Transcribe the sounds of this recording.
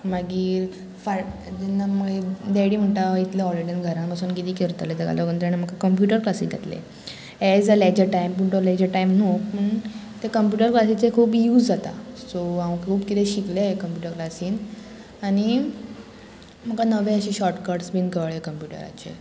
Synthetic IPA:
maɡiːɾ | fa | d͡ʑenːaməɡed̪eɽiːm̤əɳʈait̪ljaɦɔliʈənɡʱəɾãpasuːnkit̪iːkeɾt̪let̪eɡa̰ld̪oɡənt̪ɾanam̤əkakəmpjuʈəɾklasid̪ʱḛt̪lḛ | ɛd͡zalad͡ʑeʈajmpuɳʈolad͡ʑəʈaimnokpəɳt̪ekəmpjuʈəɾklasit͡sekʰuːpjuːd͡zd͡zat̪asoaʋəkʰuːpkit̪ʰeɕikleekəmpjuʈəɾklasiːn | añi | m̤əkanəʋẽəɕiɕɔɾʈkəɾʈsbinkəʋɭekəmpjuʈə̰ɾa̰t͡ɕḛ

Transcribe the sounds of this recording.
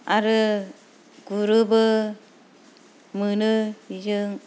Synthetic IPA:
aɾɯ | ɡuɾɯbɯ | mɯnɯid͡ʒɯŋ

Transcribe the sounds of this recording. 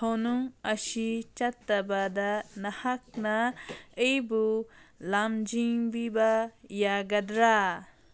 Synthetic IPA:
honuŋɐsit͡ʃat̪ːɐbad̪ɐnɐhak̚nɐejbulamd͡ʒiŋbibɐjaɡɐdɾa

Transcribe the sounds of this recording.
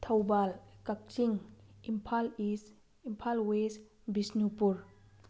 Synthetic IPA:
t̪ʰawbalkak̚t͡ʃiŋimpʰalis | impʰalwes | bisnupuɾ

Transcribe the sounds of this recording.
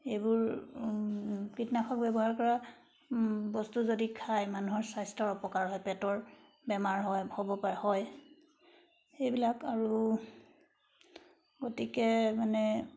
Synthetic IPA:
ejbuɹ | kɹitnakʰɔk̚bɛbɔɦaɹkɔɹa | bɔstuzodikʰajmanuɦɔɹsajstɔɹɔpɔkaɹɦɔjpɛtɔɹ | bɛmaɹɦɔjhobɔpaɹɛhɔj | ejbilakaɹu | ɡotikɛmanɛ

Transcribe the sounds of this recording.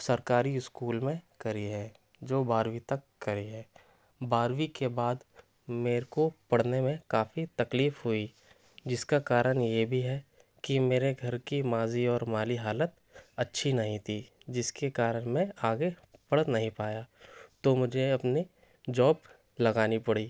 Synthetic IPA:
sɐɾkaːɾiɪskuːlmẽkɐɾiɦɛ | d͡ʒoːbaːɾwit̪ɐkːɐɾiɦɛː | baːɾwikebaːd̪ | meːɾkopɐɽ̤nemẽkaːfit̪ɐkliːfɦʊi | d͡ʒɪskakaːɾəɽ̃jebʱiɦɛ | kimeːɾeɡʱɐɾkimaːziɔːɾmaːliɦaːlət̪ | ɐtːʃʰinɐɦĩt̪ʰi | d͡ʒɪskekaːɾəɽmẽaːɡe | pɐɽnɐɦĩpaːjaːt̪omʊd͡ʒʱeɐpni | d͡ʒɔːb | lɐɡaːnipɐɽiː

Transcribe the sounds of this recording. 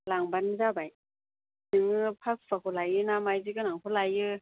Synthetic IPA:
laŋbanzabaj | nɯŋɯpʰak̚sʰakʰɔlajɯnamajzikɯnaŋpʰɯlajɯ

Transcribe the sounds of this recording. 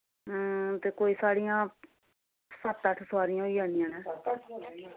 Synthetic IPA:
ɦt̪eːkoːiːsaːɽijãː | sət̪ːəʈʰsʋaːɾɪjãːɦoiːaːnɪjãːnɛː

